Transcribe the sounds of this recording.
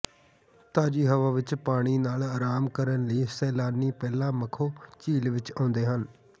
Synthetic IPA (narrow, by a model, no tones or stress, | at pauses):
t̪aːd͡ʒiːɦəʋaːʋɪt͡ʃpaːɽ̃iːnaːlaːɾaːmkəɾənləiːsɛːlaːniːpɛːlãːməkʰoːt͡ʃiːlʋɪt͡ʃãːnd̪eːɦən